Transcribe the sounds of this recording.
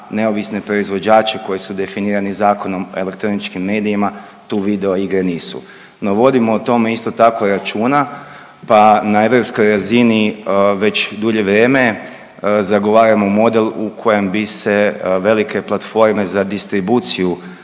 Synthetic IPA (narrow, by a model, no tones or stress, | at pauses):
ne̞o̞ʋisne̞pɾo̞izʋo̞d͡ʒaːt͡ʃeko̞jesud̪e̞finiːɾanizaːko̞no̞me̞̰le̞kt̪ɾo̞nit͡ʃkimːe̞ːd̪ijima | t̪uːʋid̪eoiɡɾeniːsṵ | no̞ʋo̞d̪imo̞ut̪o̞meist̪o̞t̪ako̞ɾat͡ʃuːna | panae̞ʋɾo̞psko̞jɾaziniʋe̞t͡ɕd̪uʎe̞ʋɾjeːme̞ | zaɡo̞ʋaːɾamomo̞d̪e̞lukʰo̞je̞mbise̞ʋe̞like̞plˠat̪fo̞ɾme̞zad̪ist̪ɾibuːt̪siju